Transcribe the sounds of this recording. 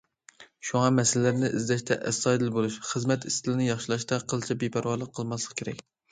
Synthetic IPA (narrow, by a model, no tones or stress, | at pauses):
ʃuŋɑmɛsɪlɪlæɾnɪʔɪzd̪ɛʃt̪ʰɛ̰ʔɛsːɑjd̪ɨlbolˠuʃχəzmɛt̪ist̪ʰɪlɪnɪjɑχʃilˠɑʃt̪ɛqʰəlˠt͡ʃʰɛbepʰæɾwɑɾlˠəqʰːəlˠmɑslˠə̥qkʰʲeɾɛ̰k̚ʲ